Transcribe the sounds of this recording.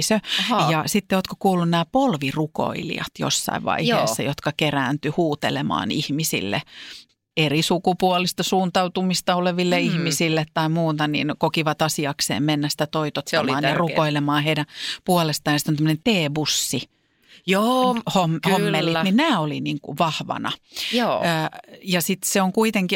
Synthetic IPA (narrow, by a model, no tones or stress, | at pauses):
søjɑsit̪ːeoːt̪kokuːlːunnæːpolʋiruko̰ilḭɑ̰t̪jo̰sːɑ̰iʋʋɑ̰ihḛːsːɑ̰jot̪kɑkeræːnt̪yhuːt̪ḛlemɑ̰ːnihmisḭlːḛ | erisukupuolist̪ɑsuːnt̪ɑut̪umist̪ɑoleʋilːeihmisilːet̪t̪ːɑimuːt̪ɑnḭnkokiʋɑt̪ɑsiɑksḛːmmenːæsĭ̥t̪æt̪oit̪ot̪ɑmɑɑːnjɑrukoilemɑːheidæpuɔlest̪ɑjnɑsit̪onæmə̆nent̪eːbusːi | joːhomomːelːininæːoliniːŋkṵʋɑhʋɑ̰nɑ̰ː | jɑsit̪seoŋkuit̪eŋki